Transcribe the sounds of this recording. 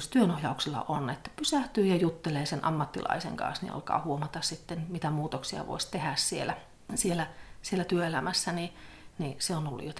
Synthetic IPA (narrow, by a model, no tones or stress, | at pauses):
st̪yønohjɑuksilːɑ̰ʔonet̪ːæ̥pysæht̪yːjɑjut̪ːeleːsenʔɑ̰mːɑt̪ːilɑ̰isḛŋkɑ̰̃nsnḭɑ̰lkɑ̰ːhuomɑt̪ɑssit̪ːenmit̪æmuːt̪oksiɑ̰ʋo̰isʲt̪ehæssielæ | sielæsielːæt̪yøelæmæsːæniniseonolːṵjot̪